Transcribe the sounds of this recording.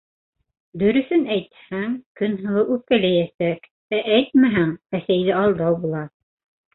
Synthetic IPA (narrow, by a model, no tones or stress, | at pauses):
d̪ɵ̆ɾɵ̆θɵnæjt̪hæŋkɵnɦɤ̆w̪ˠɤʔʉkælæjæsæk | æʔæjt̪̚mæɦæŋæsæjðɘɑlˠd̪ɑwbulˠɑ